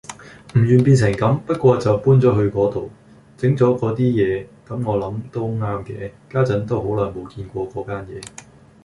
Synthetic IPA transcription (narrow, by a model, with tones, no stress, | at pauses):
m̩˨˩jyː˨˩npiː˧ns̬ɪ˨˩ŋkɐ˨˥mpɐ˥t̚kʷɔː˧t͡sɐ˨wpuː˥nt͡sɔː˨˥ɦɵ˧ɥkɔː˨˥t̪o˨w | t͡sɪ˨˥ŋt͡sɔː˨˥kɔː˨˥t̪iː˥jɛː˨˧kɐ˨˥mŋɔː˨˧lɐ˨˥mt̪o˥wŋaː˥mkɛː˧kaː˥t͡sɐ˨˥nt̪o˥wɦo˨˥wlœː˨˩ŋmo˨˧wkiː˧nkʷɔː˧kɔː˨˥kaː˥njɛː˨˧